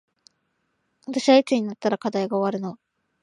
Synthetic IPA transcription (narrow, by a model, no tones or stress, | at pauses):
βat̪aɕiβait͡sɨɲ̟inat̪ːaɾakad̪aiɡaoβaɾɯ̟no̞